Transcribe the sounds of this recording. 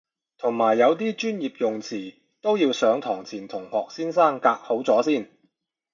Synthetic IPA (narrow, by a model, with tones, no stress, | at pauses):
t̪ʰʊ˨˩ŋmaː˨˩jːɐ˨˧wt̪iː˥t͡ʃyː˥njiː˨p̚jʊ˨ŋt͡sʰiː˨˩ | t̪o˥wjiː˧wsœː˨˧˥ŋt̪ʰɔː˨˩ŋt͡sʰiː˨˩nt̪ʰʊ˨˩ŋhɔː˨k̚siː˥nsaː˥˩ŋkaː˧k̚ho˨˥wt͡sɔː˨˥siː˥˩n